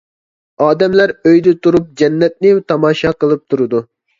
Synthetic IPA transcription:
ɑːd̪ɛmlæɾøjd̪ɪt̪uɾup̚d͡ʒɛnːɛt̪̚nɪt̪ʰɑmɑːʃɑqəlˠɨp̚t̪ʰuɾɨd̪u

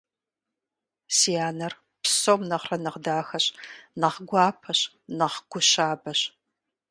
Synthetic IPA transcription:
sijaːnɐr | pʰsomnɐχrɐnɐʁdaːxɐɕnɐʁɡʷɑːpʰɐɕ | nɐχɡʷʊɕaːbɐɕ

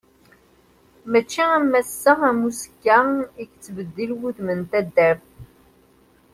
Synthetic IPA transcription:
mæt͡ʃːiæmːæsːəæmusə̥kːæikt͡sːvəd̪ːilwuθmənt̪æd̪ːæv

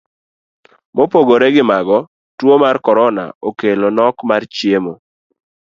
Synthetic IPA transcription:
mopoɡoɾɛɡɪmaɡɔ | twomarkɔɾɔna̰okelonɔkmart͡ʃjemo

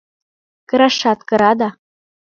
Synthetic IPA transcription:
kɤ̆ɾɑʃɑt̪kɤ̆ɾɑd̪ɑ

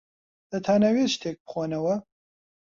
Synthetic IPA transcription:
d̪̥ɐt̪ʰaːnaweʃt̪ʰeːk̚bɨ̥xoːnɐwɐ

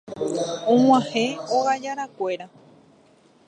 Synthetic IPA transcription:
õŋ̃ãhẽoɣad͡ʒaɾakʷe̞ɾa

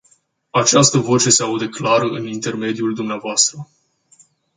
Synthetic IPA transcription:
at͡ʃast̪əvo̞t͡ʃe̞seaud̪eklaɾəʔɨnint̪e̞rme̞d̪ijuld̪umneavoast̪ɾə

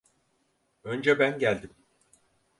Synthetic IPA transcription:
ønd͡ʒɛbænɟælʲd̪im

